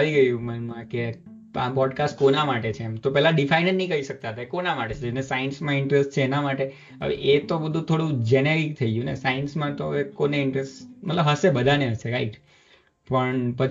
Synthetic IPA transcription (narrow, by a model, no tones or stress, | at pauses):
ʋiɡəjũmənmãke | a̰pɔɖkasʈ̚konamaʈet͡ʃʰeːmt̪opɛɦlãɖifainənnəĩkəiʃək̚t̪aɦət̪aekonamaʈet͡ʃʰed͡ʒenesajnsmãɪɳʈɾesʈt͡ʃʰeːnamaʈe | ə̰ʋḛʔet̪obəd̪ʱũt̪ʰoɽũd͡ʒeneɾik̚t̪ʰəiɡũnḛsajnsmãt̪oekoneɪɳʈɾesʈmət̪ləbʱɦəsebəd̪ʱaneɦəseɾaiʈ | pəɳpət͡ʃ